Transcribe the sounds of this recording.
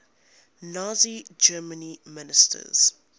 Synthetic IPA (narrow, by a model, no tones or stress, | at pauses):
naːzid͡ʒɜːmənimɪnɪstʰə̰z̥